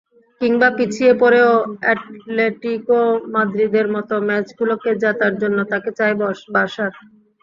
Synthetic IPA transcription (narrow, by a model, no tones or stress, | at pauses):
kiŋbapit͡ɕʰiepɔɾeoɛʈleʈikomad̪ɾid̪eɾmɔt̪omɛt͡ɕɡuloked͡ʑat̪aɾd͡ʑonːot̪aket͡ɕajbɔbaʃaɾ